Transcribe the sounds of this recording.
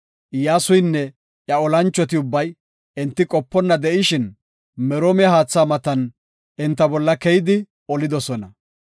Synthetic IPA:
ʔjaːsʊjnːɛ | ʔjɐɔlɐnt͡ʃːɔt̪̬ɪʊbːɐj | ɛnt̪ːɪkʼɔpːɔnːɐd̪ɛʔɪʃɪn | mɛɾoːmɪjɐhaːt͡sːaːmɐt̪ɐn | ɛnt̪ːɐbɔlːɐkɛjɪd̪ɪ | ɔlɪd̪ɔsɔnɐ

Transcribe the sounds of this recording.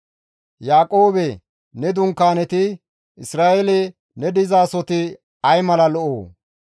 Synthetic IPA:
jaːkʼo̞ːbɛ | nɛd̪ʊŋkːaːnɛt̪ɪ | ɪsɾaːʔelɛ | nɛd̪ɪzaːsɔt̪ɪ | ɐjmɐlɐlɔʔoː

